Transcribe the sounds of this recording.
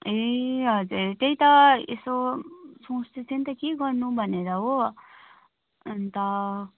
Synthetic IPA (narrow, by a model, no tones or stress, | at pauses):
eɦʌd͡zuɾt̪eɦijt̪ʌesosõst̪et͡sʰent̪ʌkeɡʌɾnubʱʌneɾʌɦo | ʌnt̪ʌ